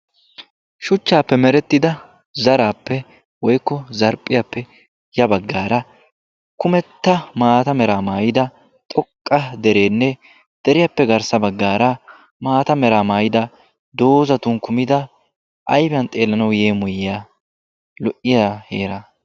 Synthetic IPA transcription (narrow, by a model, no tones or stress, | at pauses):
ʃʊt͡ʃːaːpːɛmɛɾɛt̪ːɪd̪ɐ | zɐɾaːpːɛ | wɔjkːɔzɐɾpʼːɪjɐpːɛ | jɐbɐɡːaːɾɐ | kʊmɛt̪ːɐmaːt̪ɐmɛɾaːmaːjɪd̪ɐ | t̪ʼɔkʼːɐd̪ɛɾe̞ːnːɛ | d̪̥ɛɾɪjɐpːɛɡɐɾsɐbɐɡːaːɾɐ | maːt̪ɐmɛɾaːmaːjɪd̪ɐ | d̪o̞ːzɐt̪ʊnkʊmɪd̪ɐ | ʔɐjfɐnt̪ʼe̞ːlːɐnɐwjeːmʊjɪjaː | lɔʔɪjaheːɾɐ